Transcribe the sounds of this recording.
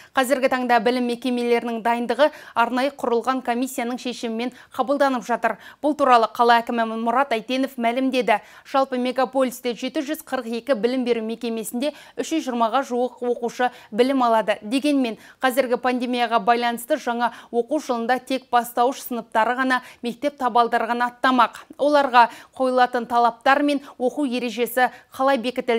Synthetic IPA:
qʰɑzɪɾɡʲɪt̪ʰɑɴd̪ɑbɪlɪmːe̞kʲe̞me̞le̞ɾɪnɪŋd̪ɑjənd̪əʁəɑɾnɑjəqʰʊɾəlˠʁɑŋkʰo̞mʲijsʲːijanəɴʃe̞ʃɪmɪme̞ɴ | qʰɑbəlˠd̪ɑnəpʒɑt̪əɾb̥ʊlˠt̪uɾɑlˠəqʰɑlˠɑækʲɪmɪmʊɾɑt̪æjt̪e̞no̞fmælɪmd̪e̞d̪ɪ | ʒ̥ɑlˠpəmʲe̞ɡapo̞lʲist̪eʒe̞t̪ɪʒʏzqʰəɾəqe̞kʲɪbɪlɪmbe̞ɾʉme̞kʲe̞me̞sɪnd̪e̞ʏʃʒʏzʒəɾmɑʁɑʒuwəqwo̞quʃəbɪlɪmɑlˠɑd̪əd̪e̞ɡʲe̞nme̞nqʰɑzɪɾɡʲɪpʰand̪ʲe̞mijɑʁɑbɑjlˠɑnəst̪əʒɑɴɑwo̞quwʒəlˠənd̪ɑt̪ʰe̞k̚b̥ɑst̪ɑwəʃsənəp̚t̪ɑɾəʁɑnɑme̞k̚t̪e̞p̚t̪ʰɑbɑlˠd̪ɑɾʁɑnɑt̪ːɑmɑqwʔo̞lˠɑɾʁɑqʰo̞jəlˠɑt̪ənt̪ʰɑlˠɑp̚t̪ɑɾme̞nwo̞quwje̞ɾe̞ʒe̞sɪqʰɑlˠɑjbe̞kʲɪt̪ɪl

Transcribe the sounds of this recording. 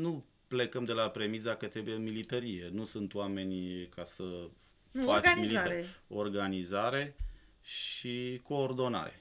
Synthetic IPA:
nu | ple̞kəmd̪e̞lapɾe̞misd̪akət̪ɾe̞bujemilit̪əɾije̞nusunt̪wame̞nʲkʰasə | fat͡ʃmilio̞rɡanizaɾe̞ | ʃiko̞ːrd̪o̞na̰ɾe̞̰

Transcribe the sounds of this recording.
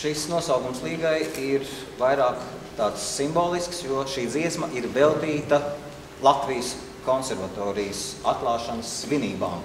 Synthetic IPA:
ʃisnuɔsawɡumslˠiːɡajiɾ | vajɾaːk | t̪aːt̪sːimboːlˠisksjuɔʃiːd̪ziɛsmɐʔiɾvɛlˠt̪iːt̪ɐ | lˠat̪vijəs | kɔnseɾvat̪ɔːɾijəsat̪̚klˠɑːʃanəsːʋiniːba̰ːm

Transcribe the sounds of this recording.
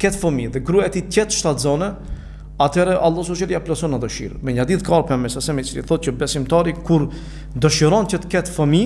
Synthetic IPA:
kɛt̪fəmiðɛɡɾuɛɛt̪it̪ɛt̪ʃt̪at̪zɔnɛ | at̪ʰɛɾɛʔalˠːɔs̬ɔʃɛliaplasɔnad̪ɔʃḭɾmɛɲad̪iðkarpɛmɛsasɛmit͡sɾḭθɔt̪̚cəbɛsimt̪aɾikuɾ | d̪ɔʃiɾɔncət̪ə̥kɛt̪fəmi

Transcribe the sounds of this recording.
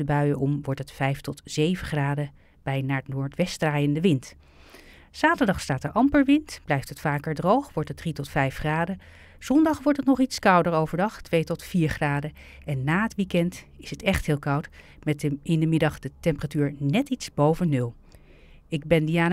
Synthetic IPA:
əbœɥəʔɔmʋɔɹtɦətfɛjftɔtz̥ejvəχraːdə | b̥ɛjnaːɹətnoːɹtʋɛstraːjəndəʋɪnt | zaːtəɹdɑχstaːtəɹʔɑmpəɹʋɪntb̥lɛjftɦətfaːkəɹdrowχʋɔɹtɦət̚dritɔtfɛjfχraːdə | z̥ɔndɑχʋɔɹtətnɔχitskɑwdəɹowvəɹdɑχtʋejtɔtfiːɹχraːdə | ɛnːaːətʋikɛnt | ɪsətɛχtɦɪːlˠkɑwt | mɛtɪndəmɪdɑχd̥ətɛmpəratyːɹnɛtitsbowvənːɵlˠ | ɪɡ̚bɛndiaːn

